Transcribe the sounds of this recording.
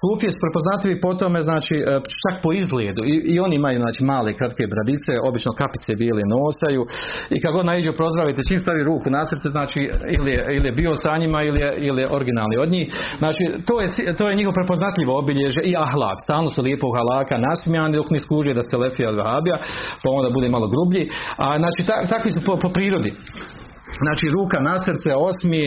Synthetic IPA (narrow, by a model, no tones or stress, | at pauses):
suːfijesu̥pɾepo̞znat̪liʋipo̞t̪o̞me̞znaːt͡ʃiːʔt͡ʃakpo̞izɡleːd̪uiio̞niimajuːznaːt͡ʃiːmaːle̞kɾat̪ke̞bɾad̪it̪se̞o̞bit͡ʃno̞kapi̥t̪sebiːlenoːsajuːikad̪ɡod̪naiːd͡ʒupɾo̞zd̪ɾaʋit̪et͡ʃiːmst̪aʋiɾuːkunasrt̪seznaːt͡ʃiːilijeilijebiːo̞saɲimailijeilijeʔo̞ɾɡinaːlnio̞d̪ɲiːxznaːt͡ʃiːt̪oːjesit̪oːjeɲiɦoʋopɾe̞po̞znat̪ʎʲiʋoobiʎeʒeʔiaɦlˠa̰ːkst̪aːlˠno̞sulˠjeːpoɡhalˠaːkanasmijaːnid̪o̞kniskuːʒujed̪ast̪elefijalʋahaːbijapao̞ːnd̪abud̪eːmalo̞ɡɾubʎiaznaːt͡ʃiːt̪at̪akʋisupopopɾiːɾo̞d̪i | znaːt͡ʃiːɾuːkanasrɾt̪seo̞smi